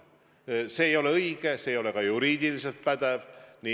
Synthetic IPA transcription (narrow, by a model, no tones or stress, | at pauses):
se̞ːjo̞leɤiɡ̥eseːjo̞lekɑjuɾiːd̪ilis̬e̞lt̪̚pæd̪̥evni